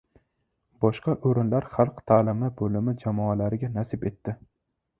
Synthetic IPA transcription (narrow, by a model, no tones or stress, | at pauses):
bɒʃqɑʔoɾɪnlaɾχalˠqt̪ʰaːlɪmɪbolɪmɪd͡ʒamɒalaɾɪɡʲanasɪbe̞t̪ːɪ